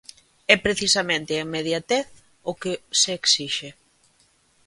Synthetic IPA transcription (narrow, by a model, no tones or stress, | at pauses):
ɛpɾeθisamẽnt̪ɪemeð̞jat̪ɛθ | ʊkeseːksiʃe